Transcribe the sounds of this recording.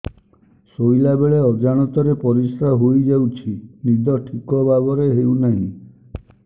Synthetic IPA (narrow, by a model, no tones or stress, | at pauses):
sojlabeɭeɔd͡ʒaɽ̃ɔt̪ɔɾepɔɾisɾaɦojd͡ʒawt͡ʃʰinid̪ʱɔʈʰikɔbabɔɾeɦewnaɦḭ̃